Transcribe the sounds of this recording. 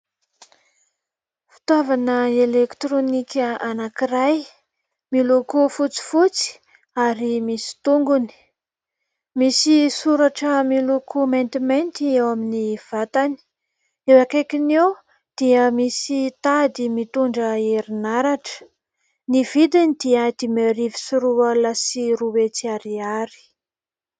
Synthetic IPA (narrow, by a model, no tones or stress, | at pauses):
fi̥t̪wavanəelekt̪ɾonikʲəanakiɾaj | milokufut͡si̥fut͡si̥ | aɾimisi̥t̪uŋɡuni̥ | misisuɾaʈ͡ʂəmilokʰument̪iment̪iewaminiv̥at̪ani̥ | ewakekinew | d̪̥iəmisit̪ad̪imit̪uɳɖ͡ʐəeɾinaɾaʈ͡ʂə̥ | niv̥id̪inid̪iəd̪imeɾivi̥suɾualasiɾuwet͡siaɾiaɾi̥